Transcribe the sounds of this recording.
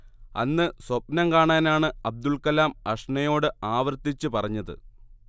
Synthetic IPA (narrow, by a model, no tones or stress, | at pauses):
ɐnːɨswɐpnɐmkaːɳaːnaːɳɨɐb̚d̪uɭkɐlaːmɐʂɳɐjo̞ːɽɨaːʋɐrt̪it͡ɕːɨpɐrɐɲːɐðɨ̰